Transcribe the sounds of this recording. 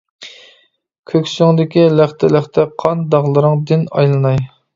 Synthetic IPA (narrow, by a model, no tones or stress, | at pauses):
kʲʰøkʲsyŋd̪ɪkʲilæχt̪ʰɛlæχt̪ʰɛqʰɑnd̪ɑʁlˠɨɾɨŋd̪ɪnɑ̰jlˠɨnɑj